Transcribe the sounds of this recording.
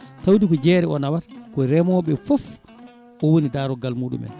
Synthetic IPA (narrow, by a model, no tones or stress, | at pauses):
tawdikɔd͡ʒɛːɾɛɔnawatkɔɾɛmɔɓɛfɔf | ʔɔwonidaːɾɔɡalmuːɗṵmɛ̰n